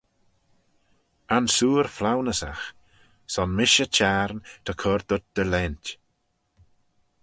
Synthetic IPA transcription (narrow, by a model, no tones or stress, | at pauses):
ansuːɾflawnəsa̰x | sɔnmɪʃət͡ʃʰaɾnt̪ʰəkʰɔɾd̪ʊt̚d̪̥əlɛnt